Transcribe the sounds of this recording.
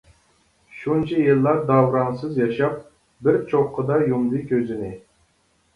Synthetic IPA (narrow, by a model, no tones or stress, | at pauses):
ʃunt͡ʃʰɛjɨlˠːɑɾd̪ɑwɾɑŋsɨzjɑʃɑp̚ | bɪɾt͡ʃʰoqqʰːəd̪ɑjumd̪ɨkʲʰøzɪnɪ